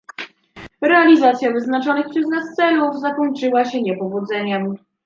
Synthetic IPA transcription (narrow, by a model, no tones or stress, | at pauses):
ɾɛalʲizat̪sʲjavɘznat͡ʂɔnɘxpʂɛznast̪sɛluvzakɔɲt͡ʂɘwaɕɛɲɛpɔvud̪zɛɲɛm